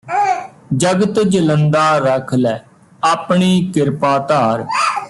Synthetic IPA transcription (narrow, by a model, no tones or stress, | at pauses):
d͡ʒəɡət̪d͡ʒələnd̪aːɾəkʰlɛː | aːpɳiːkɪɾpaːt̪aːɾ